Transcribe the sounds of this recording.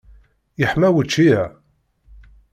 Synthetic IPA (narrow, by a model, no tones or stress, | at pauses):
jəħmæwət͡ʃːiæ